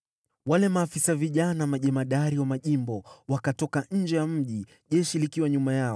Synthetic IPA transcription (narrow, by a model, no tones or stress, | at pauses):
walɛmaːfisaviʄanamaʄɛmaɗaɾiwamaʄimbɔwakatɔkaɲ̩d͡ʒɛjam̩ʄi | ʄɛʃilikiwaɲumajaɔ